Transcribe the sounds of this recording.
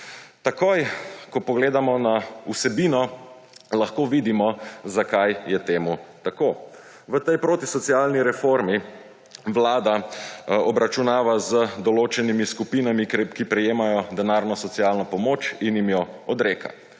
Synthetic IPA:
t̪akojkɔpɔɡleːd̪amɔnausɛbinɔ | laxkoːʋid̪imɔzakajjɛt̪eːmut̪akoː | ʋət̪ɛjpɾoːt̪isɔt̪sialniɾɛfoɾmi | ʋlaːd̪a | ɔbɾat͡ʃunaːʋazəd̪ɔloːt͡ʃɛnimiskupinamikkipɾɛjeːmajɔd̪ɛnaːɾnɔsɔt̪sialnɔpɔmoːt͡ʃinjimjɔɔd̪ɾeːka̰

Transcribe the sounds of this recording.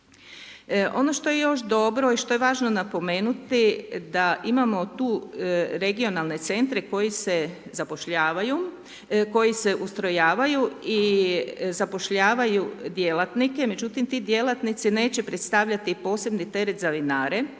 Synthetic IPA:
ʔo̞̰no̞ʃt̪o̞je̞jo̞ʃd̪o̞bɾo̞iʃt̪o̞jeʋaːʒno̞napo̞me̞ːnut̪id̪aʔimamo̞t̪uːɾe̞ɡio̞nalne̞t̪se̞nt̪ɾe̞ko̞jisezapo̞ʃʎaːʋaju | ko̞jise̞ʔust̪ɾo̞jaːʋajui | zapoʃʎaːʋajud̪je̞lat̪nike̞me̞d͡ʑut̪imt̪id̪je̞lat̪nit̪sine̞ːt͡ɕe̞pɾe̞t̪st̪aʋʎat̪ipo̞ːse̞bnit̪e̞ɾet̪zaʋinaːɾe̞

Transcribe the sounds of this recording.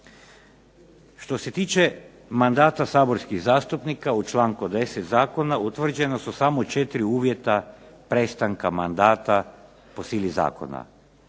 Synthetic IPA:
ʃt̪o̞se̞t̪iːt͡ʃe̞ | mand̪aːt̪asaːbo̞ɾskizaːst̪upnikaut͡ʃlˠaːŋkud̪e̞set̪zaːko̞naut̪ʋr̩d͡ʒe̞nosusamot͡ʃet̪iɾiuːʋje̞t̪apɾest̪aŋkama̰nd̪aːt̪a | po̞siːliza̰ːko̰na̰

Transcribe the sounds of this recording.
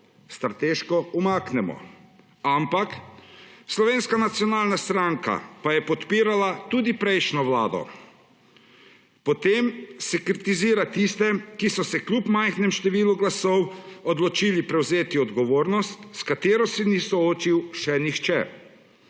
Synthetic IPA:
st̪ɾat̪eːʃkɔumaknɛmɔ̰ | ampak | slɔʋeːnskanat̪sjɔnaːlnast̪ɾaŋka̰pajɛpɔt̪piːɾalat̪uːd̪ipɾɛjʃnɔʋlaːd̪ɔ̰ | pɔt̪emsɛkɾit̪iziːɾat̪ist̪ɛkisɔsɛklʲupmajxnɛmʃt̪ɛʋiːluɡlasɔwɔd̪lɔt͡ʃiːlipɾɛwzeːt̪iɔd̪ɡɔʋoːɾnɔst̪skat̪eːɾɔsɛnisɔoːt͡ʃiwʃɛnixt͡ʃɛ̰

